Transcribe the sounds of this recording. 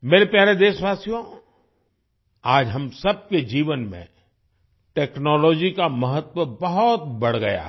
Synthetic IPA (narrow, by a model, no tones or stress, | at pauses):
meːɾepjaːɾed̪eːʃʋaːsijõ | aːd͡ʒɦɐmsɐb̚ked͡ʒiːʋənmḛ̃ | ʈɛːknɔːlɔːd͡ʒikamɐɦət̪wəbɐɦʊt̪bɐɽ̤ɡɐ̰ja̰ɦ